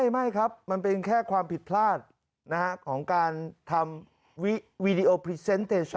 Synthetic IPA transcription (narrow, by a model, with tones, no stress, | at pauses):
jma˥˩jkʰa˦˥p̚ma˧np̬e˧nkʰɛː˥˩kʰwaː˧mpʰi˨˩t̪̚pʰlaː˥˩t̪̚ | na˦˥ka˦˥kʰɔː˩˦ŋkaː˧nt̪ʰa˧m | wi˦˥wi˦˥di˧ʔo˧pʰɾi˧˥se˦˥nt̪ʰeː˧sʰ